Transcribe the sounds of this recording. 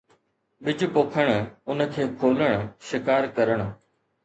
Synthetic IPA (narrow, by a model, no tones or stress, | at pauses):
ɓɪd͡ʑpoːkʰəɽ̃ʊnə̆kʰeːkʰoːləɽ̃ʃɪkaːɾkɐɾəɽ̃̆